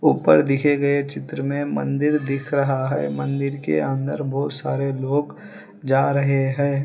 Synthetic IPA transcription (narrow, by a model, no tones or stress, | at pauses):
uːpəɾd̪ɪkʰeɡɐet͡ʃɪt̪ɾəmẽmɐ̰̃nd̪ɪɾd̪ɪkʰɾɐɦaɦɛ̰ːmɐ̃nd̪ɪɾkḛɐ̃nd̪əɾbɔːt̪saːɾeloːɡ | d͡ʒaːɾɐɦeɦɛ̃ː